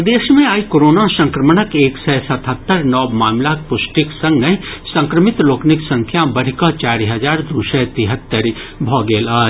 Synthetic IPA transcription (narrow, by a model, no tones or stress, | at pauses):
d̪eːʃmẽaːikoːɾoːnasɐ̃ŋkɾəmənəkeːksɛːsɐt̪ʰɦət̪ːəɾnɔːbmaːmlaːk̚pʊʃʈɪksɐ̃ŋɡnɐɦĩsɐ̃ŋkɾəmɪt̪loːknɪksɐ̃ŋkʰjabɐɽ̤ikət͡ʃaːɾiɦɐd͡ʒaːɾd̪uːsɛt̪iɦət̪ːəɾibʱɔːɡeːlaː